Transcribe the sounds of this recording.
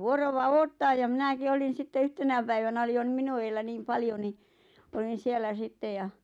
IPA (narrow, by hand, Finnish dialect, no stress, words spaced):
ʋuoroʋɑ oːtːɑːj jɑ mĭnæki olin̞ sitːe yhtenæ pæiʋænæ oli jo n̆ĭ minu eːlːæ niːm pɑljo ni olin̞ sielːæ sitːej jɑ